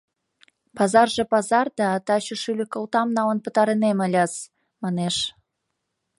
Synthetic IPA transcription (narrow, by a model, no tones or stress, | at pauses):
pɑzɑrʒĕpɑzɑrd̪ɑt̪ɑɕə̆ʃylʲɘkə̆lt̪ɑmnɑwənpə̆t̪ɑɾeneməlʲɑz | mɑneʃ